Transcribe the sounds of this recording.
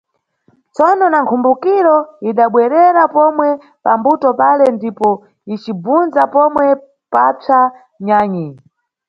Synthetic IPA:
t͡sɔnɔnaŋkʰumbukiɾɔiɗaɓwɛɾɛɾapɔmwɛ | pambutɔpalɛndipɔ | it͡ʃibunzapɔmwɛ | pat͡sa | ɲaːɲi

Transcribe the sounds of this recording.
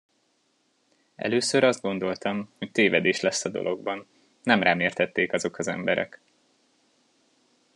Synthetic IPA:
ɛ̰løːsøɾɒzd̪̚ɡo̞nd̪o̞lt̪ɒmhoc̚t̪eːvɛd̪eːʃlɛsːɒd̪o̞̰lʔo̞ɡbɒn | nːɛmraːmeːrt̪ɛt̪ːeːkɒzo̞kɒzɛ̰mbɛɾɛ̰k

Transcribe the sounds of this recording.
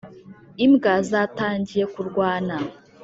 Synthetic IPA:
imɡazataːɲɟije̞kuɾɡwaːna

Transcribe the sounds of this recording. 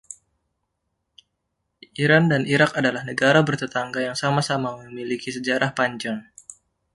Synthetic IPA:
iɾandaniɾakadalahnəɡaɾabərt̪ət̪aŋɡajaŋsamasamaməmilikis̬əd͡ʒaɾʔahpaɲd͡ʒaŋ

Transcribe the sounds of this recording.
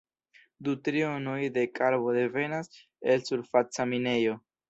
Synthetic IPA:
d̪utɾionojde̞kaɾβo̞d̪e̞ve̞nas | elsuɾfat͡samine̞jo̞

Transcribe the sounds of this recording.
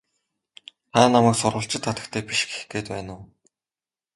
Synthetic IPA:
χæːnːamæːksʊɾʁə̆ɬt͡ɕɪ̆t̪ʰːat̪ə̆kt̪ʰeːpiʃ̆ɡe̥xɡeːt̪pæːnʊː

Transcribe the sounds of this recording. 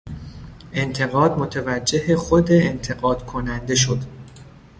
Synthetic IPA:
ʔe̞nt̪ʰe̞ɣɒːd̪mot̪ʰevæd͡ʒːe̞ɦexod̪eːnt̪ʰe̞ɡɒːd̪̥kʰonænd̪e̞ʃod̪

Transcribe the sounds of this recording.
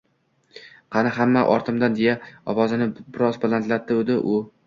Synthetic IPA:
qʰɑnɪɦamːaʔɒ̰ɾt̪ʰɪmd̪and̪ejaɒwɒzɪnɪbɪɾɒzbalant̪lat̪ːɪod̪ɪʔʊ

